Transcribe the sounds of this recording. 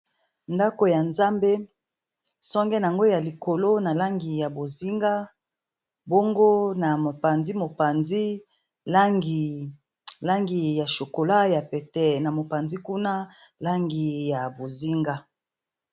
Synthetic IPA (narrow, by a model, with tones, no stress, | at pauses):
nda˦ko˨ja˨nza˦mbe˦ | sɔ˦ŋɡɛ˦n˨a˨ŋɡo˦ja˨li˨ko˨lo˦na˨la˦ŋɡi˨ja˨bo˨zi˦ŋɡa˦ | bo˦ŋɡo˦na˨mo˨pa˨nzi˦mo˨pa˨nzi˦ | la˦ŋɡi˨ | la˦ŋɡi˨ja˨ʃo˨ko˨la˦ja˨pɛ˨tɛ˨na˨mo˨pa˨nzi˦ku˦na˦ | la˦ŋɡi˨ja˨bo˨zi˦ŋɡa˦